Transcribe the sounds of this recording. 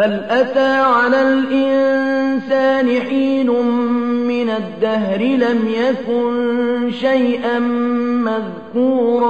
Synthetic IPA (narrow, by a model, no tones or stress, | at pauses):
halʔat̪aːʕalaːlʔɪnsaːnɪħiːlʊmmːɪnad̪ːahɾɪlamjakʊnʃajʔanmað | kuːɾ